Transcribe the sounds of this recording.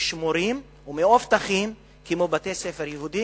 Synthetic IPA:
ʃmoɾim | umeoft̪aχim | kimobat̪esefeɾjeɦud̪i

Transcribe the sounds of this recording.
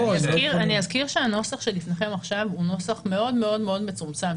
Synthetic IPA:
azkiʁaniazkiʁʃeano̞saχʃelifneχe̞maχʃavuno̞saχme̞o̞dme̞o̞dme̞o̞dme̞t͡sumt͡sam

